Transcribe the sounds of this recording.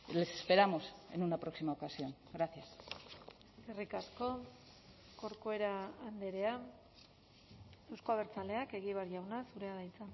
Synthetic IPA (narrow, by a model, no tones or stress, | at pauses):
le̞se̞spe̞ɾamo̞se̞̰nunapɾo̞ksimaokasio̞ŋɡɾaθjas | erikasko̞ | ko̞ɾkoe̞ɾaːnd̪e̞ɾe̞a | e̞wsko̞aβ̞e̞ɾt͡sale̞ake̞ɣiβ̞aɾʝawnasuɾe̞aðajt͡sa